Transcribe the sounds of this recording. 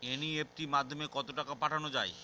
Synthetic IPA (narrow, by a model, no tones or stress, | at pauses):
eniep̚t̪imad̪ʱːomekɔt̪oʈakapaʈʰanod͡ʑae